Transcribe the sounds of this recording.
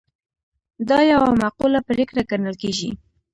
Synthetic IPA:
d̪ɑjawamaqulapəɾekɾaɡanəlkeʒi

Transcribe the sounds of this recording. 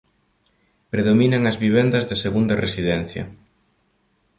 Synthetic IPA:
pɾeðominɐŋɐzβiβ̞end̪ɐzðɪseɣund̪ɐresiðɛn̟θjɐ̰

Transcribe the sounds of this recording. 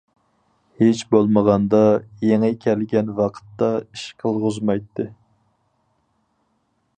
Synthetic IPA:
het͡ʃbolˠməʁɑnd̪ɑjeŋɨkʲʰɛlɡʲɛnwɑqʰə̥t̪ːɑiʃqʰəlˠʁʊzmɑjt̪ʰːɨ

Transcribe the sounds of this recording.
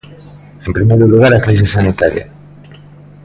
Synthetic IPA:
empɾimeɾuluɣaɾakɾis̬isanit̪aɾja̰

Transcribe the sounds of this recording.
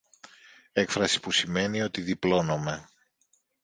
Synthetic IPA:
e̞kfɾɐsi̥pusime̞nio̞t̪iðiplo̞no̞me̞

